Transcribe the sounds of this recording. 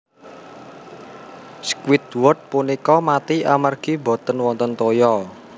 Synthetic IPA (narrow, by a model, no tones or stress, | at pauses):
skwɪt̪̚wʊt̪̚punikɔmat̪iamarɡ̥i̤bɔ̤t̪ənwɔnt̪ɔnt̪ojɔ